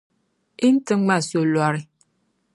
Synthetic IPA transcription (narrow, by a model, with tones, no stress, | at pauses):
i˦n̩˦tɨ˦ŋ͡ma˦˨so˨lwa˨ɾi˦